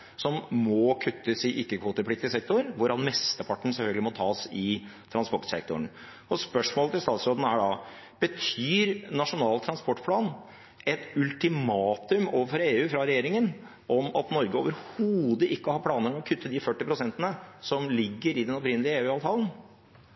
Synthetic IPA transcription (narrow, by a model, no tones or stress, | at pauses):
sɔmːɔkʰʉt̪ːəsɪʔɪkːəkʰʋuːt̪əɾpʰɽɪk̚t̪ɪəsɛk̚t̪ʊɾʋʊɾɑnmɛst̪əpʰɑʈːɳ̩sɛlfœlɡəlɪmɔt̪ʰɑːsɪt̪ʰɾɑnspɔʈsɛ̰k̚t̪ʊəɳ | ɔspœʂmoːlət̪ʰɪlst̪ɑːt̪sɾoːd̪n̩əæɖɑ | b̥ət̪ʰyːɾnɑʂʊnɑːlt̪ʰɾɑnspɔʈːpʰlɑːn | ɛt̪ʉlt̪ɪmɑːt̪ʉmoːʋəɾfɔɾeːʉːfɾɑɾɛjeːɾɪŋən | ʔɔmɑ̰t̪nɔɾɡəoːʋəɾhuːd̪əʔɪkːəhɑɾpʰlɑːnəɾmɛɔkʰʉt̪ʰːəd̪ɪfœʈːɪpɾʊsɛnt̪ənəsɔmlɪɡːəɾɪd̪ɛnɔpɾɪnːəlɪəeːʉːɑːʋt̪ʰɑːlən̩